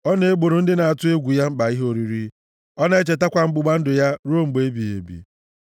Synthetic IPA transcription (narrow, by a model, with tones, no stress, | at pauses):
ɔ˦ne˦e˦ɡ͡bo˨ɾo˨n̩˦dɪ˦na˨a˨tʊ˦e˦ɡʷu˨ja˦m̩˦ɡ͡ba˨i˦ɦo˦ɾi˨ɾi˦ | ɔ˦na˦e˦t͡ʃe˨ta˦kʷa˨m̩˦ɡ͡bʊ˨ɡ͡ba˦n̩˦dʊ˨ja˦ɾo˦˨ŋ͡m̩˨ɡ͡be˨˦e˦bi˨ḛ˨bḭ˨